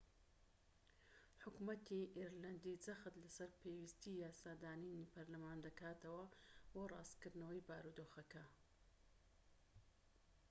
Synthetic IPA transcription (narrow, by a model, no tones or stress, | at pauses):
ħʊkumɐt̪ʰiʔiɾlɐnd̪id͡zɐxt̪lɐsɐɾpʰewist̪iːjaːsaːd̪aːninipʰɐɾlɐmaːnd̪ɐkaːt̪ʰɐwɐborɑ̰ːst̪kɨɾd̪nɐwɐjbaːɾud̪oːxɐkɐ